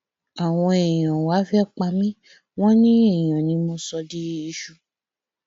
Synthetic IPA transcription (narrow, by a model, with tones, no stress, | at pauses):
a˨w̃ɔ̃˧e˨j̃ã˨wa˨˦fɛ˦˨k͡pa˧mĩ˦ | w̃ɔ̃˦nĩ˦ẽ˦˨ã˨nĩ˨˧˦mo˧sɔ˧di˦i˧ʃu˧˨